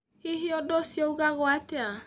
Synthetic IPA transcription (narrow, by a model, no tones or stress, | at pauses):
eɦiɔdɔsiɔuɣaɣwatɛa